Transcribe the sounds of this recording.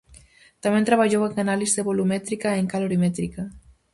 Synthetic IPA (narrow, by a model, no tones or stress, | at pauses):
t̪amẽnt̪ɾaβ̞aʎoweŋanalizðeβolumɛt̪ɾikaeŋkaloɾimɛt̪ɾika